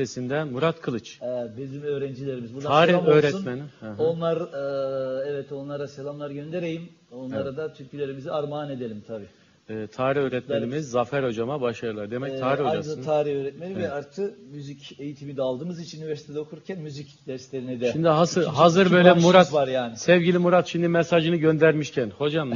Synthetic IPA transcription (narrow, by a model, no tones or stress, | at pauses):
sesind̪ɛmuɾat̪kʰɯlˠɯt͡ʃɛbizimø̞ːɾɛnd͡ʒilʲe̞ɾimizbuɾt̪d̪aaːɾiaøːɾɛunmeniɦonlˠaɾɯɛvɛt̪o̞nlˠaɾaselʲamlˠaɾɟø̞nd̪e̞ɾe̞jim | o̞nlˠaɾad̪at̪ʰyɾcilʲe̞ɾimiziaɾmaːne̞d̪elʲimt̪ʰabiː | ɛːt̪ʰaːɾiø̞ːɾɛt̪menimizːafæɾho̞d͡ʒamabaʃaɾɯlˠaɾd̪emɛc̚tʰaːɾihod͡ʒazant̪ʰaːɾiøɾɛt̪menʲivɛaɾt̪ʰɯkmyzice̞jit̪ʰimid̪ɛalˠd̪ɯːmɯzit͡ʃʰinynyvɛɾsi̥t̪ʰed̪ɛokʰuuɾcʰænmyzicd̪æɾslʲeɾinid̪ɛʃimd̪iɦasɯɦazɯɾbø̞jllʲɛmuɾat̪vaɾjaːnɪsɛvɟilʲimuɾat̪ʃimd̪imɛsaʒɯnɯɟø̞nd̪æɾmiʃcʰænho̞d͡ʒam